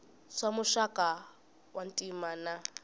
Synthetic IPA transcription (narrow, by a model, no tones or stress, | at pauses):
samʊʃakʼa | wan̩tʼimaːna